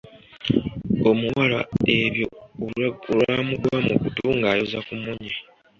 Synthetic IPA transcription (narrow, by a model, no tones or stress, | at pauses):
o̞muwala̰eβjo | olwamuɡwamukutuːŋɡaːjozakumuɲe